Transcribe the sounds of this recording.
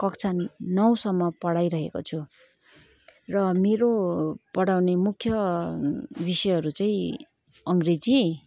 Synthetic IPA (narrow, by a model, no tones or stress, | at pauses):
kʌkt͡sʰannːʌwsʌmːʌpʌɽajɾʌɦḛko̰t͡sʰu | rʌmeɾopʌɽawnemukʰjʌ | bisʌjɦʌɾut͡saĩ | ʌŋɡred͡zi